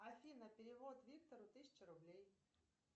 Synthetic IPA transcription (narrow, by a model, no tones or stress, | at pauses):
ɐfʲinəpʲɪɾʲɪvot̪vʲik̚t̪əɾʊt̪ɨsʲɪ̥t͡ɕɪɾʊblʲej